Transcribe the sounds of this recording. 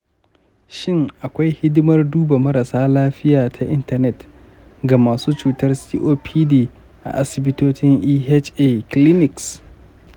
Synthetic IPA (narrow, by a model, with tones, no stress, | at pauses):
ʃɪ˦ŋʔa˨kʷa˦jhɪ˦dʊ˦mɐ˦rduː˦ba˨mɐ˦ɾa˨saː˦laː˦ɸɪ˦jaː˨tʰa˨ʔɪ˦ntɐ˨rnɛ˦t | ɡa˨maː˨suː˦t͡ʃuː˨tɐ˦rsiː˦ʔoː˦pʰiː˦diː˦ | ʔa̰˨ʔa˦sɪ˨bɪ˦toː˦t͡ʃɪ˦ŋʔiː˦he˦t͡ʃʔeː˦˨klɪ˦nɪ˨ks